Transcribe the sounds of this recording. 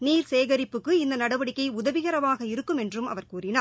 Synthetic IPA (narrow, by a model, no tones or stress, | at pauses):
niːɾseːɣɐɾɪpːɯkːɯɪnd̪ɐnɐɽɐʋɐɽɪkːɐɪʊðɐʋɪɣɐɾɐʋaːɣɐɪɾɯkːɯmɛndrɯmɐ̰ʋɐɾkuːrɪnaː